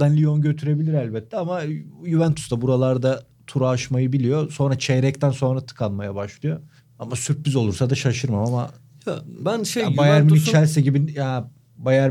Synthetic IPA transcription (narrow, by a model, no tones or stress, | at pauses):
d̪anlʲio̞nɟø̞t̪ʰyɾe̞bilʲiɾælʲbɛt̪ʰːɛamajuvænt̪ʰu̥sd̪abuɾalˠaɾd̪a | t̪ʰuɾaːʃmajɯbilʲijo̞so̞nɾat͡ʃʰeɾɛc̚t̪ænso̞nɾat̪ʰɯ̥kʰanmajabaʃlˠɯjo̞ | amasyɾpːyzo̞lˠuɾsad̪aʃaʃɯɾmamama | bænʃejbajæɾminit͡ʃʰælʲsɛɟibija | bajæɾ